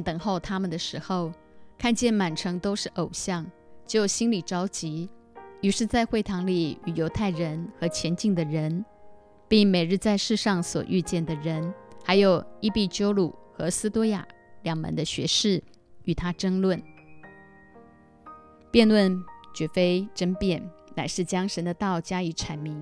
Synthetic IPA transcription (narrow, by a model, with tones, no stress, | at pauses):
nt̪ɤ˨˩ŋxo˥˧ʊt̪ʰa˥mə˨nd̪ə˩ʂɻ̩˧˥xo˥˧ʊ | kʰa˥˧nt͡ɕjɛ˥˩nma˨˩nʈ͡ʂʰɤ˧˥ŋt̪o˥ʊʂɻ̩˥˩ʔo˨˩ʊɕjɑ˥˩ŋ | t͡ɕjo˥˩ʊɕi˥nli˨˩ʈ͡ʂɑ˥ʊt͡ɕi˧˥ | y˧˥ʂɻ̩˥˧t͡sa˥˧ɪxwe˥˩ɪt̪ʰɑ˧˥ŋli˨˩y˨˩jo˧˥ʊt̪ʰa˥˩ɪɻə˧˥nxɤ˧˥t͡ɕʰjɛ˧˥nt͡ɕi˥˩ŋd̪ə˩ɻə˧˥n | pi˥˩ŋme˨˩ɪɻɻ̩˥˧t͡sa˥˧ɪʂɻ̩˥˧ʂɑ˥˧ŋswɔ̰˨˩ʔy˥˧t͡ɕjɛ˥˩nd̪ə˩ɻə˧˥nxa˧˥ɪjo˨˩ʊi˥pi˥˩t͡ɕjo˥ʊlu˨˩xɤ˧˥sɹ̩˥t̪ɔ˥ja̰˨˩ | ljɑ˨˩ŋmə̰˧˥nd̪ə˧ɕɥɛ̰˧˥ʂɻ̩˥˩ | y˨˩t̪ʰa˥ʈ͡ʂə˥ŋlwə˥˩n | pjɛ˥˧nlwə˥˩nt͡ɕɥɛ˧˥fe˥ɪʈ͡ʂə˥npjɛ˥˩nna˨˩ɪʂɻ̩˥˩t͡ɕjɑ˥ŋʂə˧˥nd̪ə˧t̪ɑ˥˩ʊt͡ɕja˥i˧˥ʈ͡ʂʰa˧˥nmi˧˥ŋ